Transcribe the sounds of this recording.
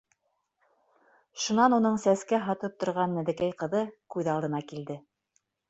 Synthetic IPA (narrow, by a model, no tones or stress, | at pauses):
ʃunɑnunɤɴsæskæɦɑt̪ɤp̚t̪ŏɾʁɑnːæðɘ̆kæjqɤ̆ðɤkʉðɑlˠd̪ɤ̆nɑkild̪ɘ